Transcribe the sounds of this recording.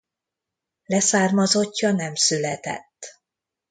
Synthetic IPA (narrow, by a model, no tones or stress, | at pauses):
lɛsaːrmɒzo̞cːɒnɛmsylɛt̪ɛ̰t̪ː